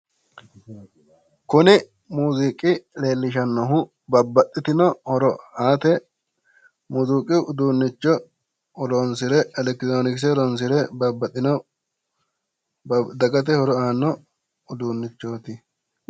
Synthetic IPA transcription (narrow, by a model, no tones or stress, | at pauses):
kʊnɪ | muːzikʼɪle̞ːlːɪʃ̬ɐnːɔɦʊ | bɐbːɐt̪ʼːɪt̪ɪnɔhɔɾɔaːt̪ɛ | mʊzuːkʼɪʊd̪uːnːɪt͡ʃːɔ | ɾɔnsɪɾɛɛlɛkt̪ɾoːnɪks̬ɛɾɔns̬ɪɾɛbɐbːɐt̪ʼːɪnɔ | d̪ɐɡɐt̪̬ɛhɔɾɔaːnːɔ | ʊd̪uːnːɪt͡ʃːo̞ːt̪ɪ